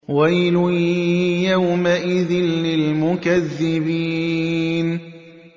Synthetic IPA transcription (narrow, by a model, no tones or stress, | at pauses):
wajlʊ | jawmaʔɪðɪnlɪlmʊkaðːɪbiːn